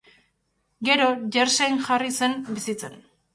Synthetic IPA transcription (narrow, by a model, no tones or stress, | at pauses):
ɡe̞ɾo̞ʝeɾsejnʝarise̞nbisit͡se̞n